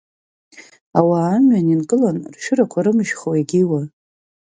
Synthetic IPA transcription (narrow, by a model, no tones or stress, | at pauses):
awaːmɥaninkʼɨlanrʃᶣɨɾakʷʰaɾɨmɨʒχoweɡʲiwa